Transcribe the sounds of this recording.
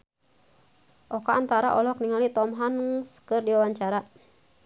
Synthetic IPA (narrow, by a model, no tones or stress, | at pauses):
ʔɔkaːnt̪aɾa̰ʔɔlɔkniŋalit̪ɔmɦanskɨrdiwawaɲt͡ʃaɾa